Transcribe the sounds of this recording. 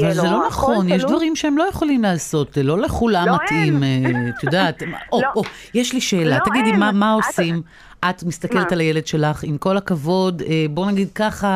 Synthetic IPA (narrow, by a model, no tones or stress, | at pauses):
avalzelo̞naχo̞njeʃ̬d̪vaʁimʃeemlo̞je̞χo̞limlaːso̞tlo̞leχulamːatʔimet̪jodaːt̪ʔo̞ʔo | jeʃliʃe̞ːlat̪aɡid̪imamao̞sim | ʔat̪mist̪ake̞let̪alajele̞dʃe̞laχimko̞lakavo̞debo̞naɡid̪̚kaχa